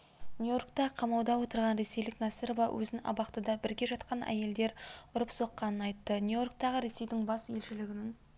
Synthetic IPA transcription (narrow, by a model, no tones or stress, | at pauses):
nʲujo̞rkt̪ɑqʰɑmɑwd̪ɑwo̞t̪əɾʁɑnɾe̞se̞jlɪknɑsiɾvɑwʔɵ̰zɪnɑ̰bɑqt̪əd̪ɑbɪɾɡʲe̞ʒɑt̪̚qɑnʔæ̰je̞ld̪e̞ɾʊɾəpso̞qːɑnənɑjt̪ːənjujo̞rk̚t̪ɑʁəɾe̞se̞jd̪ɪŋbɑsje̞lʃɪlɪɡʲɪnɪŋ